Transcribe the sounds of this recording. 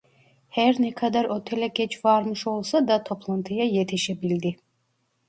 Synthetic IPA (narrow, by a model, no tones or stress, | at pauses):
hɛɾnɛkʰad̪aɾot̪ʰelʲɛɡɛt͡ʃvaɾmɯʃo̞lˠsad̪at̪ʰo̞pʰlˠant̪ʰɯjajet̪ʰiʃɛbilʲd̪i